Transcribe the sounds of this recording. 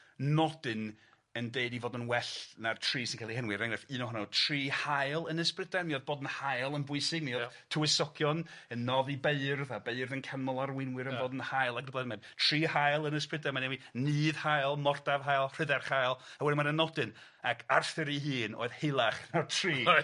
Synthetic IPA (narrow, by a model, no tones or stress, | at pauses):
nɔdɨn | əndeɨdivoːdənwɛɬnartʰriːsɪnkʰalihɛnwɨɾaŋrɨfɨːnɔhɔnɔtʰr̥iːhajlˠənəsprɪdanmioːðboːdənhajlˠənbʊɨsɪɡ̚mio | tʰʊwɪsɔɡjɔnənːɔðibeɨrðabeɨrðənkʰamɔlˠarwɪnwɪɾəoːdənhajlˠaɡəblɛmɛndtʰr̥iːhajlˠənəsprɪdamanewinɨːðhajlˠmɔrdavɦajlˠr̥ɪðɛrχajlˠawɛdɪmaɾənɔdɨn | akʰarθɨɾiɦɨːno̰ːɨð̥helˠaχnatʰriː